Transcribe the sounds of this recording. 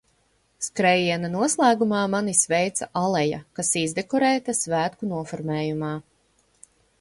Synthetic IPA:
skɾɛjiɛnanuɔslˠæːɡumɑːmanisvɛjt̪saʔalˠɛja̰kasizd̪ɛkɔɾɛːt̪asvæːt̪kunuɔfɔɾmɛːjumaː

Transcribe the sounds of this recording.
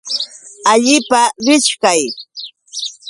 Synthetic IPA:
aʎɪpaɾɪʃkaj

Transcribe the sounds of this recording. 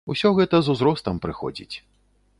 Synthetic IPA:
usʲɔɣɛt̪ɐzuzɾɔst̪ɐmpɾɨxɔ̰d͡zʲḭt͡sʲ

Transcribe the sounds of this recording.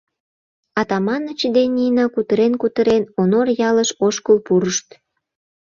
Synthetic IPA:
ɑt̪ɑmɑnət͡ɕəd̪enʲijnɑkut̪əɾenkut̪əɾenonorjɑləʃoʃkəlpuɾəʃt̪

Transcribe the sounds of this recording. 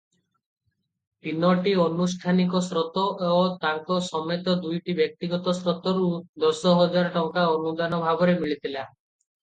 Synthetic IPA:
t̪inɔʈiɔnusʈʰanikɔsɾɔt̪ɔːt̪aŋkɔsɔmet̪ɔd̪ujʈibjɔk̚t̪iɡɔt̪ɔsɾɔt̪ɔɾud̪ɔsɔɦɔd͡ʒaɾɔʈɔŋkaɔnud̪anɔbʱabɔɾemiɭit̪ʰila

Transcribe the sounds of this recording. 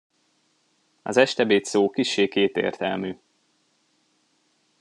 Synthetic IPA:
ɒ̰zɛʃt̪ɛbeːt̪soːkiʃːeːtkeːt̪ḛːrt̪ɛlmyː

